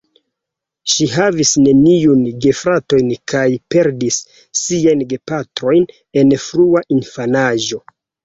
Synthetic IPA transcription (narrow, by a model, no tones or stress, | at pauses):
ʃiɦavisne̞niunɡe̞fɾato̞jnkʰajpe̞ɾdisː | iajnɡe̞patɾo̞jn | e̞nfɾuaʔinfanaʒo̞